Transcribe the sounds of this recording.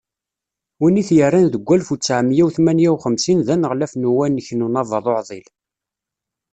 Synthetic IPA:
winiθjərːænðəɡʷːælfut͡sːaʕmjæwθmænjæwχəmsinðænəʁlæfnuwænːəçnunɑvɑðˤoʕðˤil

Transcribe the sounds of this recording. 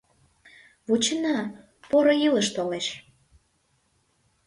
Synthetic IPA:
βut͡ɕənɑ | poɾojiləʃt̪oleʃ

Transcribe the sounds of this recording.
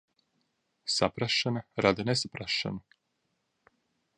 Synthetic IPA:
sapɾaʃanaɾad̪anesapɾaʃa̰nu

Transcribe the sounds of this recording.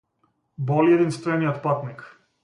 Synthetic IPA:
bɔliɛd̪inst̪ɔɛnijɔt̪pat̪nik

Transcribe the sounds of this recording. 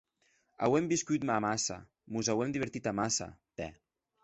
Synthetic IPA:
a̰wɛmbiskut̪mamasa̰ | muzawɛmd̪iβ̞əɾt̪it̪amasa̰t̪ɛ̰

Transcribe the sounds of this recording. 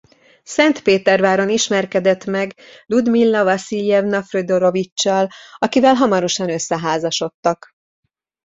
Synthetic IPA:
sɛnt̪peːt̪ɛrvaːɾo̞niʃmɛrkɛd̪ɛt̪mɛɡlud̪milːɒvɒsilijɛvnɒfrød̪oɾo̞vit͡ʃːɒlɒkivɛlɦɒmɒɾo̞ʃɒnø̞sːɛɦaːzɒʃo̞t̪ːɒk

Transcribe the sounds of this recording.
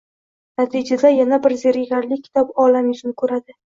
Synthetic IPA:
nat̪ʰid͡ʒad̪ajanabɪɾzeɾɪɡʲaɾlɪkʲʰɪ̥t̪ʰɒpɒlamjʊt͡ʃ̪ʊnɪkʰɵɾad̪ɪ

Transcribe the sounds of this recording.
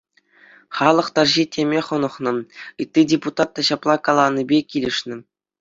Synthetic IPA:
χɑlˠɤ̆χt̪ɑrʑitʲemʲeχɤ̆nɤ̆χnɤ̆ɯt̪ʲːidʲeput̪ɑt̪ːɑɕɑplˠɑkɑlˠɑnːibʲekʲilʲɘ̆ʂnʲɘ̆

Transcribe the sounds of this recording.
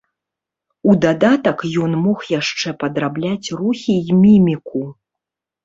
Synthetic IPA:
ud̪ad̪at̪ɐkjɔnmɔxjaʂt͡ʂɛpɐd̪ɾablʲat͡sʲruxʲimʲimʲiku

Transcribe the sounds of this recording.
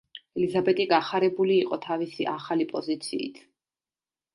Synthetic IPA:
ɛlizabɛt̪ʼiɡaχaɾɛbuliːqʼɔt̪ʰavisiʔaχalipʼɔzit̪sʰḭːt̪ʰ

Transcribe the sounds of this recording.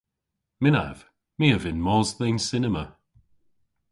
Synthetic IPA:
mɪna̰v̥ | miəvɪnmɔːzðɛnsɪnəmə

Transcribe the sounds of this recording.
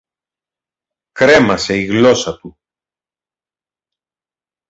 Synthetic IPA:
kɾe̞mɐse̞iɣlo̞sɐt̪u

